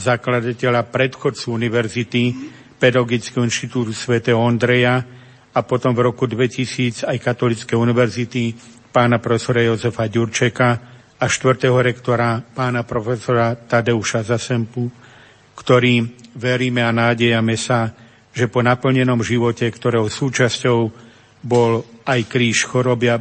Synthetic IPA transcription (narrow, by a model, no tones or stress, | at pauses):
zaklad̪acɛʎapɾɛt̪xɔt͡suuniʋɛɾzit̪i | pɛd̪aɡit͡skɛɦɔinʃt̪it̪uːt̪usʋɛt̪ɛɦɔɔnd̪ɾɛja | apɔt̪ɔmvɾɔkud̪ʋɛcisiːd͡zajkat̪ɔlit͡skɛjuniʋɛɾzit̪i | paːnapɾɔfɛsɔɾajɔzɛfaɟuɾt͡ʃɛka | aʃt̪ʋr̩t̪ɛɦɔɾɛkt̪ɔɾapaːnapɾɔfɛsɔɾat̪ad̪ɛuʃazasɛmpu | kt̪ɔɾiːʋɛɾiːmɛanaːɟɛjamɛsa | ʒɛpɔnapl̩ɲɛnɔmʒiʋɔcɛkt̪ɔɾɛːɦɔsuːt͡ʃascɔʊ | bɔlajkɾiːʃxɔɾɔbɪa